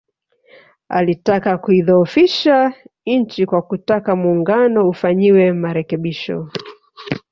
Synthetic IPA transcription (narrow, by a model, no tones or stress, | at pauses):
a̰litakakuiðɔːfiʃaɲ̩t͡ʃikwakutakamuːŋɡanɔufaɲiwɛmaɾɛkɛɓiʃɔ̰